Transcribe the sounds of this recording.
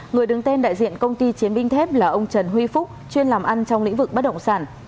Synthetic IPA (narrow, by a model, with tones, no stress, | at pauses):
ŋɨ˨˩əjɗɨ˨˦ŋt̪ɛ˧nɗa̰ː˧˨jzḭ˧˨ənkə˧wŋ͡mt̪i˧t͡ɕi˨˦ənɓï˧ŋt̪ʰɛ˦˥p̚laː˨˩ʔə˧wŋ͡mt͡ɕə˨˩nɦwi˧fʊ˦˥k͡p̚t͡ɕwi˧ənlaː˨˩mʔa˧nt͡ɕɔ˧wŋ͡mlḭ̈˧˥ŋ̟vɨ˨˩k̚ɓə˦˥t̚ɗə̰˧˨wŋ͡msaː˧˩n